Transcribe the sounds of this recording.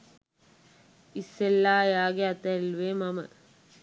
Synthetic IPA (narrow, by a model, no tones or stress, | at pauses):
isːelːaːjaːɡeɐt̪ɐlʋeːmɐmɐ̰